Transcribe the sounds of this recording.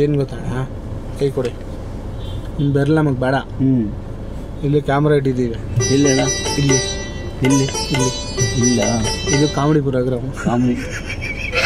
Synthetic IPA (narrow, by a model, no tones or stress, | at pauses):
eːnɡɔt̪ːaːna | kɐjkɔɽi | nimbɛɾɐlːamɐk̚bɛːɽɐ | ilːikaːmɾaiʈ̬id̪iːʋeilːɐlɐilːi | ilːiilːi | ilːɐid̪ukaːmɽip̬uɾaːɡɾɐukaːmi